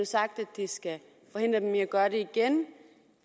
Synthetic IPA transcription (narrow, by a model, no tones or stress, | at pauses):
usɑ̈ɡ̥̚d̥æd̥ːisɡ̥æ | fɒ̽ɦe̝nd̥ʁɐd̥meɐɡ̥ɶːɐɾeiɡ̥en